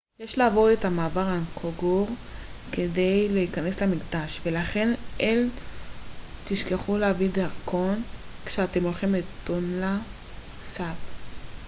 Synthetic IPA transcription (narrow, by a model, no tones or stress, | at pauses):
jeʃleavo̞ʁetamaːvaʁankʰoɡuʁkede̞jleikane̞slemikd̪aʃvelaχe̞nʔel | t̪iʃkeχuleavidaʁko̞nkʃeat̪e̞molχimlet̪onla | sab